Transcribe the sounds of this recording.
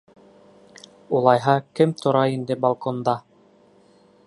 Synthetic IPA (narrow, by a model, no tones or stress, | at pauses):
ulˠɑjɦɑkɘmt̪ʰŏɾɑind̪ɘbalˠkond̪ɑ